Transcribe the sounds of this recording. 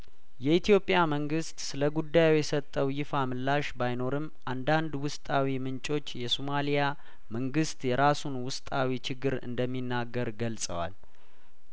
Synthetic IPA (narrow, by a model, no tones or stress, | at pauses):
jɛit̪ʰijo̞pʼːjaməŋɡɨst̪sɨləɡud̪ːajojɛsət̪ʼːəwjɪfamɨlːaʃbajno̞ɾɨm | ʔand̪and̪wʊst̪ʼawimɨnt͡ʃʼo̞t͡ʃːjɛsomalija | məŋɡɨst̪ʼjɛɾasunwʊst̪ʼawit͡ʃʰɪɡɨɾɨ̰nd̪əmːinːaɡːəɾɡəlsʼə̰wa̰l